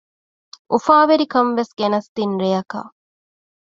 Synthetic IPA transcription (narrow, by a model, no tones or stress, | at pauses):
ʔufaːʋeɾikɐmʋesɡenɐst̪inɾejɐka̰